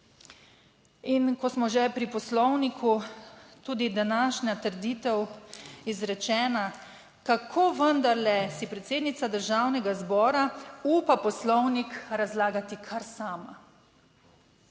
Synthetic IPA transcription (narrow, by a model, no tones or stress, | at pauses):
inkɔsmɔʒɛpɾipɔslɔwnikʰut̪uːd̪id̪anaʃnʲat̪əɾd̪iːt̪ɛwizɾɛt͡ʃɛːna | kakʰoːʋənd̪aɾlɛsipɾɛt̪seːd̪nit̪sad̪əɾʒaːwnɛɡazbɔːɾauːpapɔslɔwnikɾazlaːɡat̪ikʰaɾsaːma